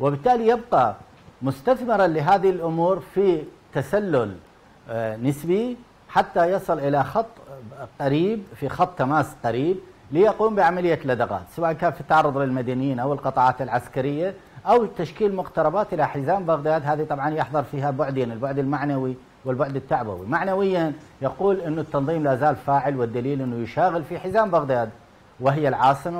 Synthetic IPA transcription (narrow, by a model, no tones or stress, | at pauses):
wɪbɪt̪ːaːlijɪb̚qɑ | mʊst̪aθmɪɾɑlɪɦaːðilʔʊmuːɾfi | t̪asalːʊl | nɪsbi | ħat̪ːajɑsˤɨlʔɪlaxɑt̪ˤːqaɾiːb̚fixɑt̪ˤːamaːsqaɾiːb | lijaquːmbɪʕamalɪjːalːad̪ɑɣa̰ːt̪sawaːʔnkaːnfit̪ːaʕɑrˤːʊðˤlɪlmad̪anjiːnʔawɪlqɨt̪ˤɑʕɑːt̪ɪlʕaskaɾɪjːaʔawt̪aʃkiːlmʊqt̪ɑɾˤɑbaːt̪ʔɪlaħɪzaːmbaɣd̪aːd̪ɦaːðit̪ˤɑbʕɑnjɪħðˤɑɾˤfiːhabʊʕd̪janɪlbʊʕd̪ɪlmaʕnawi | wɪlbʊʕd̪ɪt̪ːaʕba̰wḭmaʕnawɪjːanjɑquːlʔɪnːʊt̪ːɑnðˤiːmlaːzaːlfaːʕɪlwɪd̪ːaliːlʔɪnːujɪʃaːɣɪlfiħɪzaːmbaɣd̪aːd̪ | wɪɦɪjːalʕɑːsˤɨma